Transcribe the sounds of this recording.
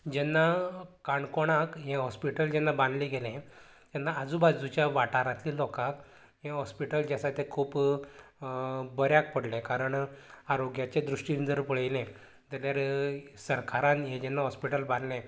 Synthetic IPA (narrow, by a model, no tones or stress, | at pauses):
d͡ʑɛnːakaɳkoɽ̃akɦẽɦɔspiʈəld͡ʑɛnːabãnd̪liɡʱelɛ̃ | t̪ɛnːaəd͡zuːbad͡zut͡ɕjaʋaʈaɾat̪liːlɔkak | ɦẽɦɔspiʈəld͡ʑasat̪ekʰuːp | bəɾjak̚pəɽlɛ̃kaɾəɳaɾoɡjat͡ɕed̪ɾuʂʈind͡zəɾpəɭəjlɛ̃ | t̪ɛljaɾsəɾkʰaɾãnɦẽd͡ʑɛnːaɦɔspiʈəlband̪lɛ̃